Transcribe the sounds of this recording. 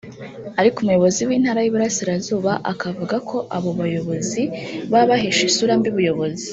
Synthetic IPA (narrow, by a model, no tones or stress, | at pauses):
aɾikumujo̞βo̞ziwiːn̥haɾajiβuɾasiɾazuːβaʔakavuɡakʰo̞ʔaβo̞βajo̞βo̞ziβaβaɦeʃisuɾambiβujo̞βo̞zi